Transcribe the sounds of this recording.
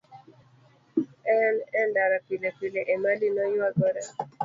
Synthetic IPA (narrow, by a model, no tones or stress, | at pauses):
ɛnɛndaɾapilepileʔemalinɔjwaɡɔɾɛ